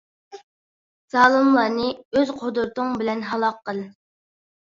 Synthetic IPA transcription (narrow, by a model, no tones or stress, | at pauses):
z̥ɑːlˠɨmlˠɑːnɨøzqʰod̪ʊɾt̪ʊŋbɪlɛnɦɑlˠɑqʰːəlˠ